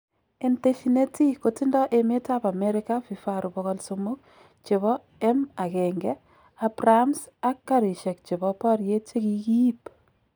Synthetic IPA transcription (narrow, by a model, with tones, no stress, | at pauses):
e˨nte˦ʃine˦ti˦ko˦ti˦ndɔ˦ʔeme˦tapa˨mɛɾɪ˦ka˦fi˨faɾubɔɣɔlsomʊ˦k̚ | t͡ʃe˨βɔ˦ | ɛ˦ma˨kɛŋɡɛ˦ | a˨pramsa˦kːaɾi˨ʃe˨k̚t͡ʃe˨bɔpɔ˦ɾje˦t͡ʃe˦ki˦ki˦p